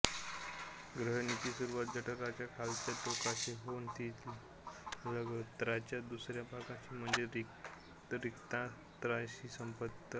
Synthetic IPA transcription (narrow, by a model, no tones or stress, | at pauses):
ɡɾəɦnit̪iːsuɾuʋat̪̚d͡ʑəʈʰəkat͡ɕjakʰalt̪jat̪okaɕiɦont̪iː | ləɡət̪ɾat͡ɕjad̪usɾjapakãɕiːm̤əɳd͡zeɾ | ɾikt̪ã | t̪ɾaɕiːsəmpət̪ə